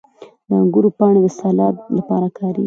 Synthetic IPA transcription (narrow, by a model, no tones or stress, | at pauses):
d̪əaŋɡuɾopɑɳ̃od̪əsɑlɑd̪lapɑɾakʰɑɾḛɡi